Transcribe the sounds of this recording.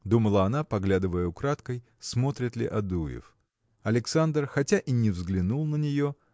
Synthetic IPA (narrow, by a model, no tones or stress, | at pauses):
d̪uməlˠəɐnapɐɡlʲad̪ɨvəjəʊkɾat̪kəj | smo̞t̪ɾʲɪt̪lʲɪ̰ʔɐd̪ujɪ̰f | ɐlʲɪksand̪rxɐtʲaʔinʲɪvzɡlʲɪnulˠnənʲɪjo̞